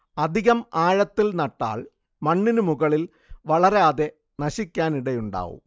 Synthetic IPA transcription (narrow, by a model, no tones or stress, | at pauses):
ɐd̪ʱiɣɐmaːɻɐt̪ːilnɐʈːa̰ːɭ | mɐɳːinumuɣɐɭil | ʋɐɭɐɾeːðe̞ | nɐɕikʲːaːniɽejuɳɖa̰ːʋṵm